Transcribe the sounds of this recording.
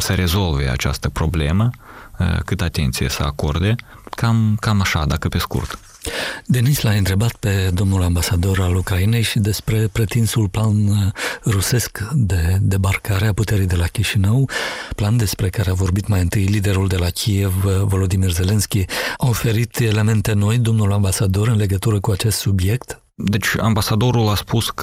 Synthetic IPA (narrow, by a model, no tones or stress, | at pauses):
səɾe̞zo̞lve̞̰a̰t͡ʃa̰st̪əpɾo̞ble̞mə | kɨt̪əat̪e̞̰nt̪sijḛsəa̰ko̞rd̪e̞ | kamkamaʃad̪akəpe̞skṵrt̪ | d̪e̞nislaɨnt̪ɾe̞bat̪pe̞d̪o̞mnulambasad̪o̞ɾalukɾaine̞jʃid̪e̞spɾe̞pɾe̞t̪insulplanruse̞skd̪e̞d̪e̞barkaɾe̞aput̪e̞ɾijd̪e̞lakʲiʃinəwpland̪e̞spɾe̞kaɾe̞avo̞rbit̪majɨnt̪ɨjlid̪e̞ɾuld̪e̞lakʲʰije̞vːo̞lo̞d̪imirze̞le̞nskʲiao̞fe̞ɾit̪e̞le̞me̞nt̪e̞no̞jd̪o̞mnulambasad̪o̞ɾɨnle̞ɡət̪uɾəkuat͡ʃe̞st̪subje̞kt̪ | d̪e̞t͡ʃʲa̰mbasad̪o̞ɾulaspusk